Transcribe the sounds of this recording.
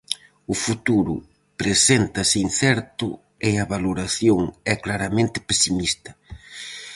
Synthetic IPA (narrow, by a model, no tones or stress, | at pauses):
ʊfut̪uɾʊ̰ | pɾesent̪ɐsɪinθɛɾt̪ʊ | ɪɐβaloɾaθjoŋɛklaɾɐmẽnt̪ɪ̥pesimist̪ɐ̥